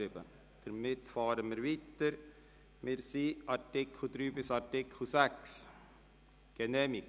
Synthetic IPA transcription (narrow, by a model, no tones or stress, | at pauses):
ɪbə̰ | d̪̥əɾmɪt̪fɑːɾəmɪɾviːt̪əɾ | mɪɾsiːɑɾtɪk̩ʰd̪ɾyːbɪsɑɾtɪkʰusæks | ɡ̥ɛnɛːmɪk